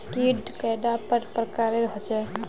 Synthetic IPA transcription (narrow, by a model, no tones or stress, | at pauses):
ʈiɖkajd̪apəɾpɾəkaɾeɾɦɔt͡ʃɛ